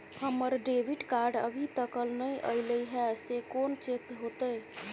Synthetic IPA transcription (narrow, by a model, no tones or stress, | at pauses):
həməɾɖebʱiʈkaɾɖə̰bʱit̪əkəlnəjʔə̰ɪləjɦɛsekont͡ʃet̪ɦot̪əj